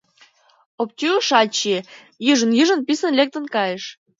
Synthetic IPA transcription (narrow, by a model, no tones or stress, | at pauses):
op̚t̪ʲyəʃɑlʲt͡ɕi | jɨʒə̆njiʒə̆npisə̆nlʲek̚t̪ə̆nkɑjeʃ